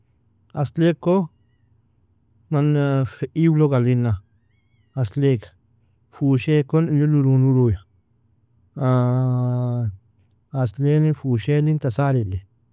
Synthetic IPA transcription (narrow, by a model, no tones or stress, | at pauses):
a̰sleko | manfeiwloɡalinã | aslekḁ | fuʃekonluluɾũnɾuɾuja | a | slenifuʃelint̪asaɾele